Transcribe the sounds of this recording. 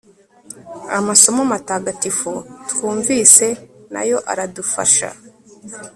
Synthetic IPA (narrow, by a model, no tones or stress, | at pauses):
amaso̞mamataːɡatifotkuːɱviːse̞na̰jo̞ʔa̰ɾadufa̰ʃa̰